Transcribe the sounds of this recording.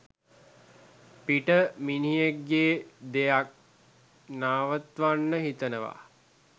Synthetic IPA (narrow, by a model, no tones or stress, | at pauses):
piʈəminijekːeːd̪ejak̚ | naːʋət̪ʋanːəɦit̪ənəʋa̰